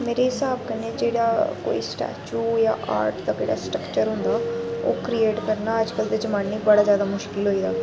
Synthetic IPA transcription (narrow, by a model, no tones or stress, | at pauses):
meːɾeːɦɪsaːbkɛneːd͡ʒeːɽaːko̰ːḭːsʈɛ̰ːt͡ʃuːja̰ːʔa̰ːɾʈd̪aːkeːɽa̰ːsʈɾəkt͡ʃəɾɦʊnd̪aːo̰ːkɾieːʈkəɾnaːəd͡ʒkəld̪eːd͡ʒəmaːnːiːbəɽaːzjaːd̪aːmʊʃkɪlɦoːiːaː